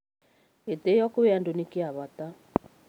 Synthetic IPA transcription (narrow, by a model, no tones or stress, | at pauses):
etejɔkʊβeandonikɪaβata